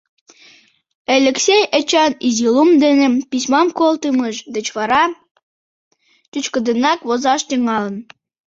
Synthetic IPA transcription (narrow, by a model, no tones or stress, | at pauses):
elʲĕksʲejə̆t͡ɕɑnizilumd̪enĕpisʲmɑmkolt̪əməʃd̪ə̆t͡ɕβɑɾɑ | t̪yt͡ɕkə̆d̪ənɑkβozɑʃt̪yŋɑlə̆n